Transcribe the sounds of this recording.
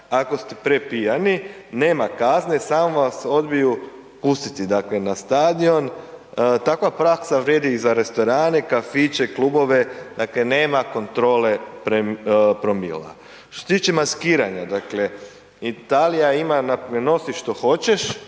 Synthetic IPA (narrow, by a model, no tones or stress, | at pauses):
ako̞st̪e̥pɾepijanine̞ːmakaznesaːmoʋaso̞d̪biju | pust̪i̥t̪id̪akle̞nast̪aːd̪io̞n | t̪akʋapɾaksaʋɾje̞d̪izaɾe̞st̪o̞ɾaːnekafit͡ʃeklubo̞ʋe̞d̪aklene̞ːmako̞nt̪ɾo̞ːlepɾepɾomḭla̰ | ʃʃt̪oset̪iːt͡ʃemaskiːɾaɲad̪akle | it̪alijaimanapeno̞siʃt̪o̞xo̞t͡ɕeʃ